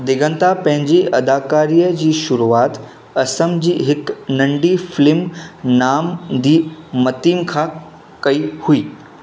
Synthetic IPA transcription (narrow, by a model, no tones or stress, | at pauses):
d̪ɪɡə̃nt̪apɐ̃ɦɪ̃ɲd͡ʑiɐd̪aːkaːɾijəd͡ʑiːʃʊɾuaːt̪ | ɐsəmd͡ʑiːɦɪknɐ̃ɳɖifɪlɪmnaːmd̪iːmɐt̪iːmkʰã | kɐihuiː